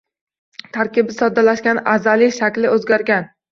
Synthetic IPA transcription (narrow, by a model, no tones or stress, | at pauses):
t̪ʰaɾkʲɪbɪsɒd̪alaʃkʲana̰zalɪʃakʲlɪɵzɡʲaɾɡʲan